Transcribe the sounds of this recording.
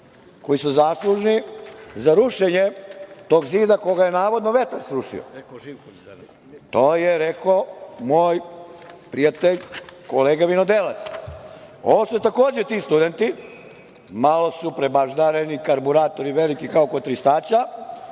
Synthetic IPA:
ko̞jisuzaːslˠuʒnizaɾuʃeɲet̪oːɡziːd̪ako̞ɡajenaːʋo̞d̪noʋet̪aɾsɾuʃḭo̰ | t̪oːjeɾekomoːjpɾijat̪eʎkoleːɡaʋinod̪elat̪s | o̰ʋosut̪ako̞ːd͡ʑet̪iːst̪ud̪ent̪i | malo̞supɾebaʒd̪aɾenikaɾbuɾaːt̪o̞ɾiʋelikikaokot̪ɾist̪aːt͡ɕa

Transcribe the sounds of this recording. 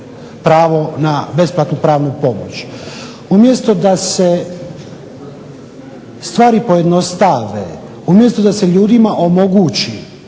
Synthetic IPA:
pɾaːʋo̞nabe̞splˠat̪nupɾaːʋnupo̞mo̰t͡ɕ | umjest̪o̞d̪ase | st̪ʋaːɾipo̞jed̪no̞st̪aʋḛ | umjest̪od̪aseʎuːd̪imaʔo̞mo̞ɡuːt͡ɕi

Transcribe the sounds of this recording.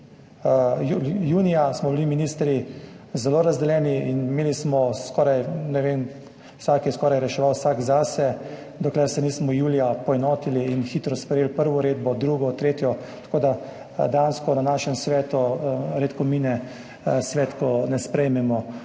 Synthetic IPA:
jujuːnijasmɔbiliminiːst̪ɾi | zɛloːɾazd̪ɛljɛːniinimeːlismɔskɔːɾajnɛʋeːm | saːkjɛskɔːɾajɾɛʃɛʋawsaːɡzasɛ | d̪ɔklɛɾsɛniːsmɔjuːlijapɔɛnɔːt̪iliːnxiːt̪ɾɔspɾɛjeːlpəɾʋɔɾeːd̪bɔd̪ɾuːɡɔt̪ɾeːt̪jɔ | t̪ḁkoːd̪a | d̪ɛjanskɔnanaːʃɛmsʋɛːt̪uɾeːt̪kɔminɛ | sʋɛːt̪kɔnɛspɾɛjmɛmɔ

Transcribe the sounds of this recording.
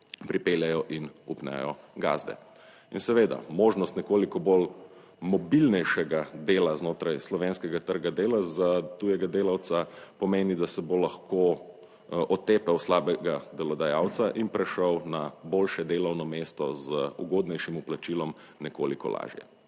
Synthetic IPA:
pɾipeːljajɔʔinupnɛ̰jɔɡa̰ːzd̪ɛ̰ | insɛʋeːd̪a̰moːʒnɔst̪nɛkoːlikɔbol | mɔbilnɛjʃɛɡad̪eːlaznoːt̪ɾajslɔʋenskɛɡat̪əɾɡad̪eːlazat̪ujɛɡad̪eːlawt̪sapɔmeːnid̪asɛbolaxkʰo | ʔɔt̪eːpɛwslaːbɛɡad̪ɛlɔd̪ajaːwt̪saʔinpɾɛʃəwnaboːlʃɛd̪eːlawnɔmeːst̪ɔzəuɡoːd̪nɛjʃimuplat͡ʃilɔm | nɛko̰ːlikɔ̰la̰ːʒjɛ̰

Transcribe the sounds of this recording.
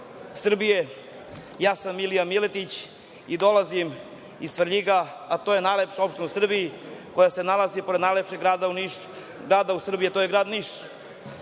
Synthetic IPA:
sr̩bije̞ | jaːsamːilijamilet̪it͡ɕ | id̪o̞lazim | isr̩ʎiɡaat̪oje̞najlepʃao̞pʃt̪enusr̩bijiko̞jase̞nalazipo̞ɾed̪najlepʃe̞ɡɾaːd̪aniʃ | ɡɾaːd̪ausr̩bijiat̪oːjeɡɾaːd̪niʃ

